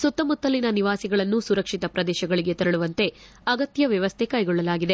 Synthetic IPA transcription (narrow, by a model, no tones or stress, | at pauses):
sut̪ːɐmut̪ːɐlːinɐniʋaːsiɡɐɭɐnːusuɾɐkʂit̪ɐpɾɐd̪ɛːʃɐɡɐɭiɡe̞t̪ɐɾɐɭuʋɐnt̪e̞ | ɐɡɐt̪jɐʋjɐʋɐst̪ʰekaːjɡɔɭːɐlaːɡid̪e̞